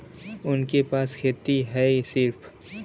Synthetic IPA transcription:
ʊnkepaːskʰeːt̪iɦɛsɪɾpʰ

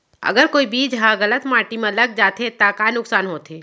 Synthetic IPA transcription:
ɐ̰ɡəɾkoːibiːd͡ʒɦãɣɐlət̪maːʈimẽləɡ̚d͡ʒaːt̪et̪aːkaːnʊksaːnɦoːt̪ʰeː

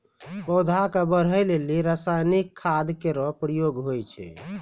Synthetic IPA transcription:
pɔwd̪ʱakəbəɾ̤əjleliɾəsajnikʰːad̪kːeɾɔpɾəjoɡɦojt͡ʃʰɛ̰

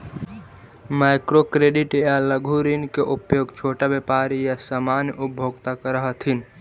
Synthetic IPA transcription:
maɪkɾokɾeɖiʈejaləɡʱuɾinkeʔupjoːɡt͡ʃʰoːʈabepaɾijasəmanjʔubʱoɡt̪akəɾəɦət̪ʰin

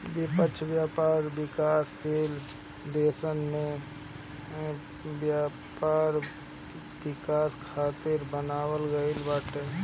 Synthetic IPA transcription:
bɪpəːt͡ʃʰʋjaːpaːɾbɪkaːsːeːl | d̪eːsənmẽ | bja | paːɾ | bɪkaːskʰaːt̪ɪɾbənaːwəlɡəilbaʈ

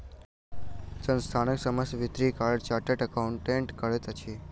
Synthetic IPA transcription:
t͡ʃənst̪ʰanəksəməsʋɪt̪ɾikaɭt͡ʃaʈəʈəkauɳʈeɳʈkəɭet̪ət͡ʃʰie

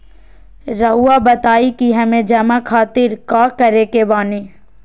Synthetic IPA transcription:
ɾɐɦuːabɐt̪aːikiɦɐmẽd͡ʒɐmakʰaːt̪ɪɾkakɐɾekebaːneː

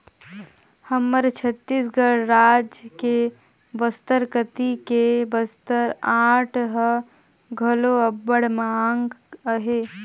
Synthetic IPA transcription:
həmːəɾt͡ʃʰət̪ːisɡəɽɾaːd͡ʒke | bəst̪əɾkət̪ikebəst̪əɾaʈʰɦə | ɡʱəloəbːəɽmeaŋɡəɦe

